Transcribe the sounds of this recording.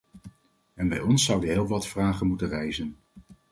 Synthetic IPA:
ɛnbɛjɔnsːʌwdəɦɪːlˠʋɑtfraːχənmutənrɛjzən

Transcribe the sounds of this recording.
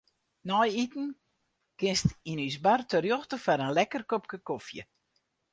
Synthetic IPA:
nɔjitn̩ | kɪnstinysbartərjoxtəfaɾənlɛkərkop̚kəkofjə̰

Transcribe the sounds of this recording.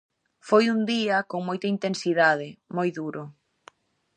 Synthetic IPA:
fojund̪iɐkoŋmojt̪ɐint̪ensiðaðɪmojðuɾʊ

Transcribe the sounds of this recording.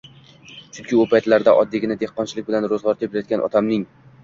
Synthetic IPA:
t͡ʃʰʊnkʲɪʊpʰajt̪laɾd̪a̰ʔɒd̪ːeɡʲɪnad̪ehqːɒnt͡ʃʰɪlɪk̚ʲbɪlanɾozʁɒɾt̪ʰeplajɒt̪̚ɡʲanʔɒ̰t̪ʰamnɪŋ

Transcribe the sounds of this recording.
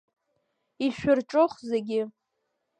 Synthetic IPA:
iʃᶣɪrʈ͡ʂʼʊχzeɡʲɪ

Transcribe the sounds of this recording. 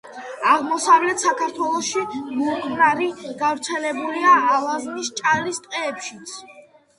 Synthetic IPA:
aʁmɔsavlɛt̪ʰsakʰaɾt̪ʰwɛlˠɔʃimukʰmɾaɾiɡ̥avɾt̪sʰɛlɛbuliaːlˠaznist͡ʃʼaɾist̪ʼqʼɛːpʃit̪sʰ

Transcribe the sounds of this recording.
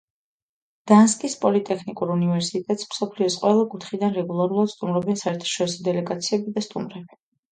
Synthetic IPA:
d̪̥anskʼispʼɔlit̪ʼɛkʰnikʼuɾunivɛɾsit̪ʼɛt̪ʼsm̥sɔpʰliɔsqʼwɛlˠakʼut̪ʰχid̪anɾɛɡulˠaɾulˠad̪̥st̪ʼumɾɔbiansaɛɾt̪ʰḁʃɔɾisɔd̪ɛlɛɡat̪sʰiɛbid̪ast̪ʼṵmɾɛbi

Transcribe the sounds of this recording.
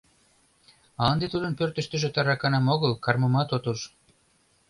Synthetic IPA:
ɑnd̪et̪ud̪ənpørt̪ə̆ʃt̪ə̆ʒĕt̪ɑɾɑkɑnɑmoɣəlkɑrməmɑt̪ot̪uʃ

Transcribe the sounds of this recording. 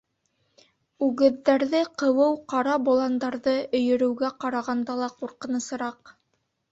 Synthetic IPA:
ʉɡɘ̆ðːæɾðɘqɤ̆wɤwqɑɾɑbulˠɑnd̪ɑɾðɤɵ̆jɵ̆ɾɵ̆wɡæqɑɾɑʁɑnd̪ɑlˠɑquɾqɤ̆nɤ̆sɤ̆ɾɑq

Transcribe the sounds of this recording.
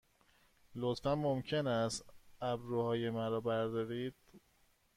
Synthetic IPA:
lot̪fæmːomcʰenæst̪æbɾuːhɒːjemæɾɒːbæɾd̪ɒːɾiːd̪̥̚

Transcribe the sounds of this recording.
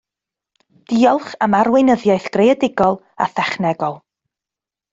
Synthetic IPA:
d̥iːɔlˠχamaɾwɪjnəðjajθɡ̥rejɛdɪɡɔlˠ | a̰θɛχnɛɡɔlˠ

